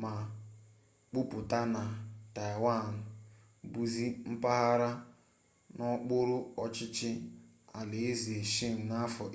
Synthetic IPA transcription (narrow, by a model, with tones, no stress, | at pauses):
ma˨ | k͡pu˦pʊ˨ta˦na˨ta˨jwa˦˨n̩˨ | bu˨zi˦m̩˦pa˦ɣa˦ɾa˦ | nɔ˦k͡pʊ˦ɾʊ˦ɔ˨t͡ʃɪ˦t͡ʃɪ˦ | a˨le˨e˦zi˨e˨ʃi˦m̩˨na˦fɔ˨